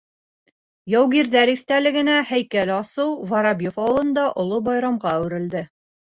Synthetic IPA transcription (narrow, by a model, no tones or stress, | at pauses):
jɑwɣiɾðæɾist̪ælɘ̆ɡɘ̆næhæjkælɑsɤwvɑɾɑbʲjofɑwɤ̆lˠɤ̆nd̪ɑʔŏlˠobɑjɾɑmʁɑæwɾɘ̆ld̪ɘ